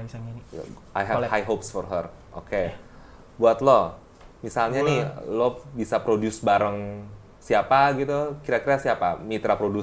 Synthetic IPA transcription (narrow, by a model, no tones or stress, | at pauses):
ajɦɛvhajɦopsfɔrɦərʔoke | buat̪lo | misalɲanihlɔbisapɾodʊsbaɾəŋ | siapaɡit̪ukiɾakiɾasiapa̰mit̪ɾapɾodus